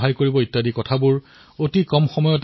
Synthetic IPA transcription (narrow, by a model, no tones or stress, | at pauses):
ɦajkoɹibɔitːadikɔtʰabʊɹ | otikɔmxɔmɔjɔt